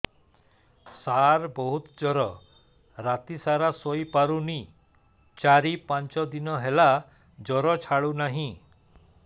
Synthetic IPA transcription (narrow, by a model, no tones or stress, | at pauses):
saɾbɔɦut̪d͡ʒɔɾɔ | ɾat̪isaɾasoipaɾuni | t͡ʃaɾipant͡ʃɔd̪inɔɦela | d͡ʒɔɾɔt͡ʃʰaɭunaɦĩ